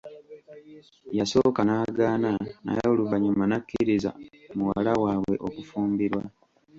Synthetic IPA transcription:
jaso̞ːkanaːɡaːnana̰jauluβaɲumanakːiɾiza̰muwa̰lawaːβwe̞ʔo̞kufuːmbiɾwa

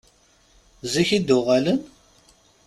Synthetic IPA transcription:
ziçid̪ʊʁælən

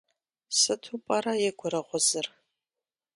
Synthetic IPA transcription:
sɨtʰupʼaɾajɛɡʷʊɾɐʁʷʊzɨr

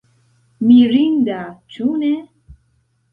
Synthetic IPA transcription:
miɾindat͡ʃunɛ

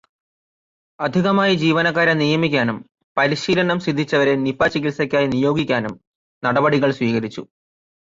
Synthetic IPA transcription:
ɐd̪ʱiɣɐmaːjid͡ʑiːʋɐnɐk̬ːaːɾɐnijɐmikʲːaːnum | pɐɾiɕiːlɐnɐmsid̪ʱːit͡ɕːɐʋɐɾe̞nipːaːt͡ɕːikilsɐkʲːaːjinijo̞ːɡikʲːaːnum | nɐɽɐbɐɽiɣɐɭsʋiːɣɐɾit͡ɕːṵ

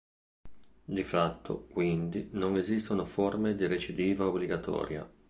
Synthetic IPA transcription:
d̪ifat̪ʰːo̰kwind̪inoŋezist̪onoformed̪iɾet͡ʃid̪iːvaobliɡat̪ʰɔ̰ːɾja̰

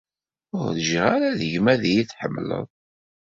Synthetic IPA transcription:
ʊɾðəʒʁaɾaðəʝmæðijiθħəmːlə̰ðˤ

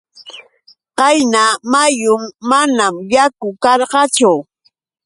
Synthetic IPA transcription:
qɑjnamajʊmːanamjakʊkɑɾɢɑt͡ʃʊ

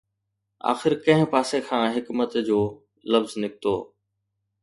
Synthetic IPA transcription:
a̰ːxɪɾkɐ̃ɦɪ̃paːsekʰãːɦɪkmət̪d͡ʑoː | lɐfznɪkɪt̪oː

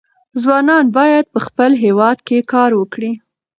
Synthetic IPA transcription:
zwɑnɑnbɑjad̪̚pəxpəlɦewɑd̪kekɑɾwəkɽi

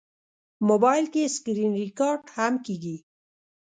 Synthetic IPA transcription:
mobɑjlkeskɾinɾikɑɾɖhamkeɡi

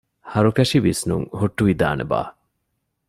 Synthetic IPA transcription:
hɐɾukɐʃiʋisnṵŋhuʈːuʋid̪a̰ːnʔḛba̰ː

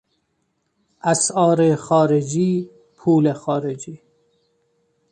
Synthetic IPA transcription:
ʔæsɒːɾexɒːɾed͡ʒiː | pʰuːlexɒːɾed͡ʒiː

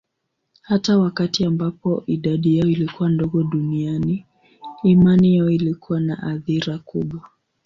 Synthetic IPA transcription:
hatawakatiambapɔʔiɗaɗijaɔilikuwandɔɠɔɗunianiː | manijaɔilikuwana̰ʔaθiɾakuɓwa

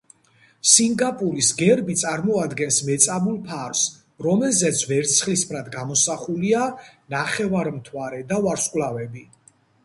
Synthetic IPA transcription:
siŋɡapʼuɾisɡɛɾbit̪sʼaɾmɔad̪ɡɛnsmɛt̪sʼabulˠpʰaɾs | ɾɔmɛlzɛt̪sʰvɛɾt̪sʰχlispʰɾad̪ɡamɔsaχulianaχɛvaɾmt̪ʰwaɾɛd̪avaɾskʼwlavɛbi

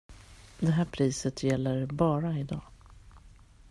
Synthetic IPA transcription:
d̪ɛɦæːɾpʰɾiːsət̪ʰjɛlːəɾbɑːɾaɪd̪ɑ̰ː

